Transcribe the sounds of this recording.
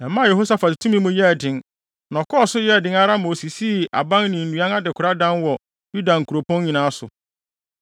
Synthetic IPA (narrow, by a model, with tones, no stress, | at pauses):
ɛ̃˨mːã˦˨jɛ˨ɦo˦sa˦fa˨dtʰũ˦mĩ˦mũ˦jɛ˦˨dɪ̃˨n | nɔ̃˨kʰɔ˦ɔ˦˨sʊ˦jɛ˦˨dɪ̃˦ŋa˦ɾa˦mo˨si˨si˦ʔa̰˨bã˦nnɪ̃˨n̩˨ũ˨˦ã˦na˦dɪ˨kʰʊ˨ɾa˦dã˦nwɔ˨ | ju˦dã˨ŋ̩˨kʰu˨ɾo˨pʰɔ̃˦n˦ɲĩ˨nãː˨˦sʊ̰˨